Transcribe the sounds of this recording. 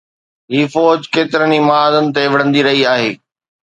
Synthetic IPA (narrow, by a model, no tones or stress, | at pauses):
ɦiːfɔːd͡ʑkeːt̪ɪɾənimaaːzənɪ̆t̪eʋɐɽ̤ə̃nd̪iɾɐɦiaːɦeː